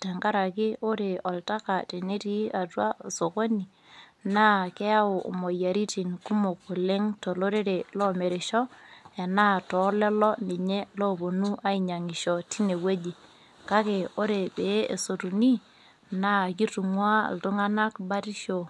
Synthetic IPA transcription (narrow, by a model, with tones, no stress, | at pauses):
tɛ˨ŋɡa˦ɾa˨kɪ˦o˦ɾe˨ɔ˨lta˦ka˨te˨ne˦ti˦a˨twa˦˨so˨ko˦ni˨ | naː˦kɛ˦a˦o̰˨mɔ˨ja˨ɾi˦ti˨nku˦mo˨ku˨le˦ŋto˨lo˦ɾe˦ɾe˨lɔ˦me˨ɾe˨ʃɔ˦a˨naː˦tɔ˨˦lɛ˦lɔ˦ne˨ɲe˦lɔ˦bo˨nu˦ʔa˦i˨ɲa˨ŋi˨ʃɔ˨ti˦ne˨we˦d͡ʒi˨ | ka˦ke˨o˦ɾe˨be˨˦e˨so˨tu˨ni˦ | naː˦ki˦tu˨ŋwa̰˦˨ltu˦ŋa˦na˦kba˦ɾi˦ʃo˨